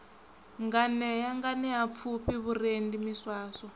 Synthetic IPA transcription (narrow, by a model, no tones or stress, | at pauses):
ŋɡanɛjaŋɡanɛap̪fʰupiβurendimiswaːsɔ